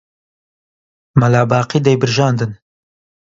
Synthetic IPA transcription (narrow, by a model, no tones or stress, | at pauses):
mɐlɑːbɑːqiːd̪ɛjbɨɾʒɑːnd̪ɨn